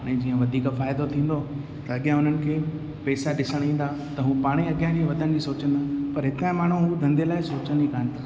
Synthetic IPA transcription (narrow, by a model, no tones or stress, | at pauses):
ɛ̃ːd͡ʑiːə̃ʋɐd̪ʱiːkfaːɪd̪ot̪ʰĩːn̆d̪o | t̪ɐɐɠjãʊn̤ənɪ̆kʰeː | pɛːsaɗɪsəɽ̃ĩːn̆d̪at̪ɐɦũːpaːɽ̃iɐɠijãd͡ʑiːʋɐd̪ʱənɪd͡ʑiːsoːt͡ɕə̃n̆d̪aːpɐɾɦɪt̪ãːmaːɳ̤̃uɦud̪ʱɐ̃nd̪əlaːɪsoːt͡ɕənikʰaːnɪt̪ʰaː